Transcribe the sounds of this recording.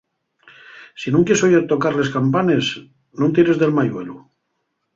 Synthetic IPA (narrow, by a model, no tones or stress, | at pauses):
sinũŋkjesojat̪o̞kaɾle̞skampane̞s | nõnt̪iɾe̞zðe̞lmajwe̞lu